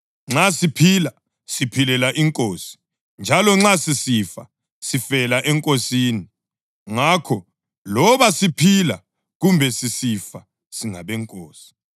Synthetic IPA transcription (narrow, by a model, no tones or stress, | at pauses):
ŋ͡ǁasipʰila | sipʰilɛlaʔiŋkʼoːsi̥ | nd͡ʒʱalɔŋ͡ǁasisifa̰ | sifɛlaʔɛŋkʼosiːni | ŋakʰɔ | lɔβasipʰila̰ | ɣumbʱɛsisifa | siŋaβɛŋkʼoːsi̥